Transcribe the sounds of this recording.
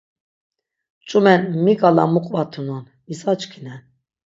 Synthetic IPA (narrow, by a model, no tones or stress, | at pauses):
t͡ʃʼumɛnmikʼala̰muqʼvat̪ʰunɔnmisat͡ʃʼkʰinɛn